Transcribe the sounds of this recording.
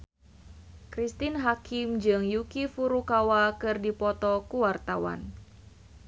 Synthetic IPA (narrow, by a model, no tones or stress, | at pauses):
kɾist̪inɦakɪmd͡ʒɨŋjukifuɾukawakɨrdipɔt̪ɔkuwart̪awa̰n